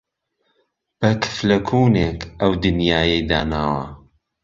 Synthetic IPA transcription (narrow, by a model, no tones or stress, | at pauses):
b̥ɐkʰɨ̥flɐkʰuːneːkʰʔɐwd̪ɨnjaːjɐjd̪a̰ːnaːwɐ̰